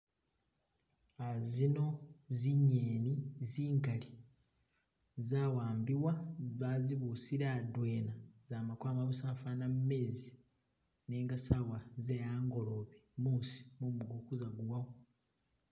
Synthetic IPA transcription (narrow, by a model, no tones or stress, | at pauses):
azino̞ziɲːeːniziːŋkali | zaːwaːmbiwaβaziβusiɾadwe̞ːnaz̥aːmakwaːmaβusaːfanamume̞ːzi | neːŋɡasawazejaːŋɡo̞loβemuːsi̥mumbuɡukuzaɡuwawo